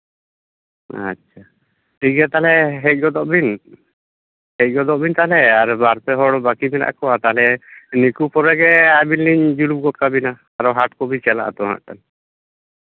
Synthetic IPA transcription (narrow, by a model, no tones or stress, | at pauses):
a̰a | ʈiɡɛt̪alɛɦɛc̚ˀɡɔd̪ɔʔbin | hɛc̚ɡɔd̪ɔʔbʱint̪alɛaɾbaɾpɛɦɔɽbakimɛɾa̰ʔa̰kɔwat̪alɛnikupɔɾɛɡɛabinliɲd͡ʒulub̚ɡɔt̪̚kabina | aɾɔwɦaʈkɔbit͡ʃɛla̰ʔa̰t̪ɔɦa̰ʔkan